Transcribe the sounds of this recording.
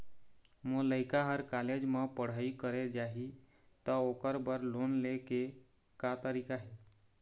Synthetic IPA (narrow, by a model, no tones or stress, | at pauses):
moləjkaɦəɾkaled͡ʒməpəɽ̤əikəɾed͡ʒaɦi | t̪əokəɾbəɾlonleke | kat̪əɾikaɦe